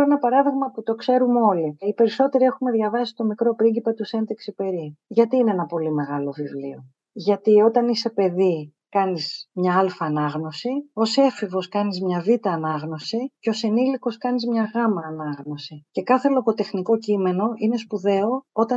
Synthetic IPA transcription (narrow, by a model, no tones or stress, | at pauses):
enɐpɐɾɐðiɣmɐput̪o̞kse̞ɾumo̞liipe̞ɾiso̞t̪e̞ɾie̞xume̞ðʝɐvɐsist̪o̞mikɾo̞pɾiɲɟipɐt̪use̞nd̪eksipe̞ɾiʝɐt̪iːneenɐpo̞lime̞ɣɐlo̞vivlḭo̞ | ʝɐt̪io̞t̪ɐnise̞pe̞ði | kɐnizmɲɐɐlfɐːnɐɣno̞sio̞se̞fivo̞skɐnizmɲɐvit̪ɐːnɐɣno̞siceo̞siniliko̞skɐnizmɲɐɣɐmɐːnɐɣno̞sice̞kɐθe̞lo̞ko̞t̪e̞xniko̞cime̞no̞ʔine̞spuðe̞o̞o̞t̪ɐ